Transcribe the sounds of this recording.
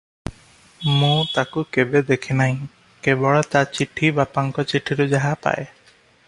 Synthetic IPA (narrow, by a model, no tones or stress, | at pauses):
mũt̪akukebed̪ekʰinaɦĩ | kebɔɭɔt̪at͡ʃiʈʰibapaŋkɔt͡ʃiʈʰiɾud͡ʒaɦapa̰ʔe